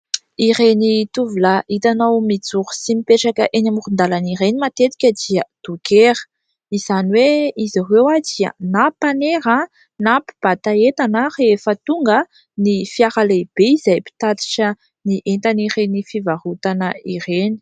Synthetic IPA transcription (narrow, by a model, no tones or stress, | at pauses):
irenit̪uvulaʔit̪anawmid͡zuɾu̥simipeʈ͡ʂakəʔenamurund̪alaniɾenimat̪et̪i̥kʲəd̪iəd̪̥ukeɾə̥ | iz̥aniweiziɦwewad͡zia̰napaneɾə | napi̥b̥at̪aet̪anəreefət̪uŋɡə | nifiaɾaleb̥eizajpi̥t̪at̪i̥ʈ͡ʂə | niʔent̪anirenifivaɾut̪anəireni̥